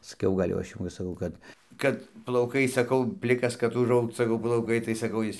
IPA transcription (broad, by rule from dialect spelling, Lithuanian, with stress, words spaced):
sɐˈkʲɛʊ ˈɡɐlʲ jɛʊ ˈɐʃ jɛʊ ʋɐ sɐˈkɐʊ ˈkɐt ˈkɐt plˠɐʊˈkɐɪ sɐˈkɐʊ ˈpʲlʲɪkɐs kɐt ʊʒˈɐʊkt sɐˈkɐʊ plˠɐʊˈkɐɪ tɐɪ sɐˈkɐʊ ˈjɪs